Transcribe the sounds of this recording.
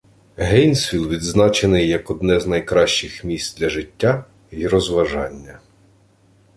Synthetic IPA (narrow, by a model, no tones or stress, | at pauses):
ɦɛjnsʲʋʲilˠʋʲid̪znɑt͡ʃenɪjːɐkɔd̪nɛznɐjkɾɑʃt͡ʃɪxmʲisʲt̪d̪ʲlʲɐʒɪtʲːa | iɾɔzʋɐʒɑnʲːɐ